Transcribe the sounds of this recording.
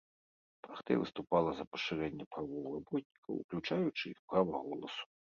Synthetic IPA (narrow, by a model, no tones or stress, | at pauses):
pɾaxt̪ɐ̰jvɨst̪upalˠɐzɐpɐ̥ʂɨɾɛnʲːɐpɾavɔwrabɔt̪̚ʲnʲikɐwṵklʲut͡ʂajut͡ʂɨixpɾavɐɣɔlˠɐsu̥